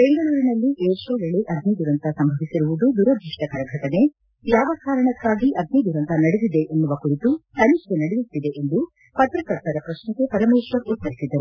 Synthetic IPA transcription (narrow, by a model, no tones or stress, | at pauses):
b̥e̞ŋɡɐɭuːɾinɐlːiʔeːɾsoːʋeɭeʔɐd̪nid̪uɾɐnt̪ɐsɐmbʱɐʋisiɾuʋud̪ud̪uɾɐd̪ɾiʂʈɐkɐɾɐɡʱɐʈɐne̞ | jaːʋɐkaːɾɐɳɐkːaːɡiʔɐd̪̚ʱnid̪uɾɐnt̪ɐnɐɽed̪id̪e̞ʔːnːuʋɐkuɾit̪ut̪ɐnikenɐɽejut̪ːid̪e̞ʔend̪u | pɐt̪ɾɐkɐɾt̪ɐɾɐpɾɐʃnɐkepɐɾɐmeːsʋɐkːet̪ːɐɾisid̪ːɐɾu